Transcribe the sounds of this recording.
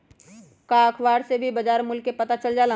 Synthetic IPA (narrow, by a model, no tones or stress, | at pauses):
kaːkʰʋaːɽsebʱibɐd͡ʒaːɾmʊlkːepɐt̪at͡ʃəld͡ʒaːlã